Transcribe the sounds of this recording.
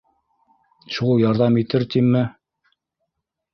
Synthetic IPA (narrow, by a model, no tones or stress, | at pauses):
ʃulˠjɑɾðɑmit̪ɘɾt̪imːɘ